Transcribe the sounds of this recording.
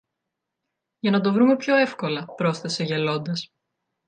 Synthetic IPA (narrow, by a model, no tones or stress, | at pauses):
ʝɐnɐd̪o̞vɾume̞pço̞e̞fko̞lɐpɾo̞st̪ese̞ʝelo̞nd̪ɐs